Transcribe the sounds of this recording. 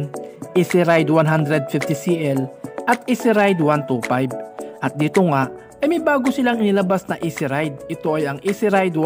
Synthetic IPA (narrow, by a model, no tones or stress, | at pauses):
nʔisɪɾajd̪wanɦand̪ɾɛd̪̚fift̪ɪsiʔɛlʔɐt̪ʔisɪɾajd̪want̪upajb̚ʔɐt̪̚d̪iːt̪oŋaʔ | ɐjmɐjbaːɡosɪlaŋɪnɪlɐbasnɐʔisɪɾajd̪̚ɪt̪o̞ʔɐjɐŋʔisɪɾajd̪w